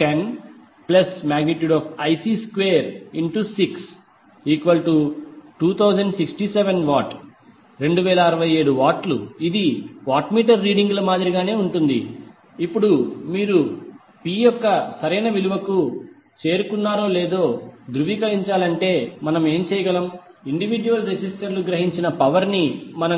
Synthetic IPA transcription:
ʈen | plɐsmaːɡniʈjuːɖaːpʰɐjsiːskʋeːɾiɳʈusiks | iːkʋɐlʈuʈuːt̪ʰɐwd͡ʒɐɳɖsiksʈiːseʋenʋaːʈ | ɾe̞ɳɖuʋɛːlɐɐɾɐʋɐje̞ːɽuʋaːʈlṵid̪iʋaːʈmiːʈ̬ɐɾːiːɽiŋɡlɐmaːd̪ɾiɡaːne̞ːuɳʈund̪ḭ | ipːuɽumiːɾu | piːjɔkːɐsɐɾɐjnɐʋiluʋɐku | t͡ʃe̞ːɾukunːaːɾo̞ːleːd̪o̞ːd̪ɾuʋikɐliɲt͡ʃaːlɐɳʈe̞ːmɐnɐme̞ːmt͡ʃɛːjɐɡɐlɐm | iɳɖiʋid͡ʒuʋɐlɾesisʈɐɾluɡɾɐɦiɲt͡ʃinɐpɐʋɐɾnimɐnɐ

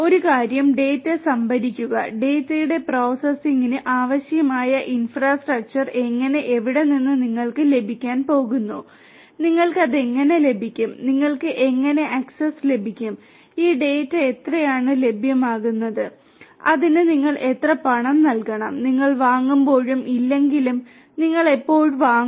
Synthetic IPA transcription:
o̞ɾukaːɾjɐmɖe̞ːtːɨsɐmbɐɾikʲːuɣɐ̰ɖe̞ːtːɐjuɽe̞pro̞ːsɐsiŋinɨʔaːʋɐɕjɐmaːjɐʔinfraːsʈrɐk̚t͡ɕɐre̞ŋːɐne̞ʔeʋiɽe̞ninːɨniŋːɐɭkɨle̞bʱikʲːaːnpo̞ːɣunːu | niŋːɐɭkɨɐðe̞ŋːɐne̞le̞bʱikʲːumniŋːɐɭkɨʔe̞ŋːɐne̞ʔɐksesle̞bʱikʲːum | iːɖe̞ːtːɨet̪rɐjaːɳɨle̞bʱjɐmaːɣunːɐðɨ | ɐðinɨniŋːɐɭʔe̞t̪rɐpɐɳɐmnɐlkɐɳɐmniŋːɐɭʋaːŋːumbo̞ːɻumʔilːe̞ŋɡilum | niŋːɐɭeipːo̞ːɻʋaːŋ

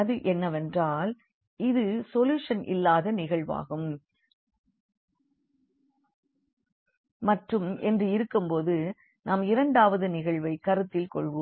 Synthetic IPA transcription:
ɐðɯʔɛnːɐʋɛndraːl | ɪðɯsɔljuːʂɐnʔɪ̰lːaːðɐnɪɣɐɭʋa̰ːɣɯm | mɐʈrɯmɛndrɯɪɾɯkːɯmpoːðɯ | naːmɪɾɐɳɖaːʋɐðɯnɪɣɐɭʋɐɪkɐɾɯt̪ːɪlkɔ̰ɭʋo

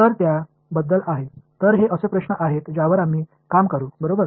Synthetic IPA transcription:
t̪əɾt̪ja | bəd̪ːəlaɦet̪əɾɦeʔəsəpɾəɕɳəʔaɦet̪d͡ʑaʋəɾam̤iː | kamkəɾuːbəɾobəɾ

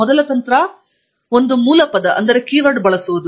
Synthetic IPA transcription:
ɔd̪ɐlɐt̪ɐnt̪ɾɐ | ond̪umuːlɐpɐd̪ɐʔɐ̰nd̪ɐɾe̞kiːʋɐɖbɐɭɐsuʋud̪u

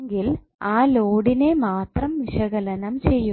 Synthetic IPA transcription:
ŋɡil | aːloːɽine̞maːt̪rɐmʋiʂɐɣɐlɐnɐmt͡ɕe̞jːu

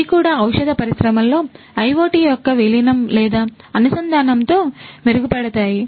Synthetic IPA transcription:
ikuːɽaːɐwʂɐd̪ɐpɐɾisɾɐmɐllːo̞ː | ɐjʋoːʈiːjɔkːɐʋilinɐmlɛːd̪aː | ɐnusɐnd̪aːnɐmt̪oːmeɾuɡupɛɽɐt̪aːji

